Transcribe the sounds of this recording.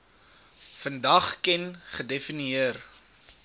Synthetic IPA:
fəndɐχkɛnχədefiniiər

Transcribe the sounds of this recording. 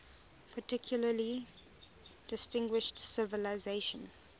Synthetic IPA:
pʰətɪkʰjuləli | d̥ɪstɪ̃ŋɡwɪʃtsɪvəlazeɪʃə̃n

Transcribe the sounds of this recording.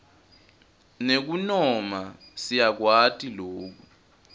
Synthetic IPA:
nek̬unɔma | sijak̬watʼiloːk̬u

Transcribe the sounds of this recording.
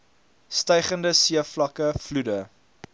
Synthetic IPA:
stəjχəndəsiəflɐkəfludə

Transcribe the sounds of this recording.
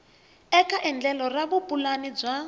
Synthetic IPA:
ɛkʰaʔɛnd͡ɮɛlɔraβupʼulanib͡ʐa

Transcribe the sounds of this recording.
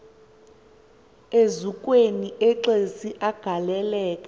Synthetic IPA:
ezukʼweniʔɛǁesiʔaɡ̥ʱalɛlɛːkʼa

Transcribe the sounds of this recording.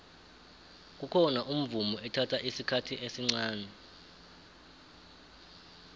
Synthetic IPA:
k̬ʼukʰɔnaʔum̩vumɔɛtʰatʰaʔisikʰatʰiʔesiŋ͡ǀaːnɛ

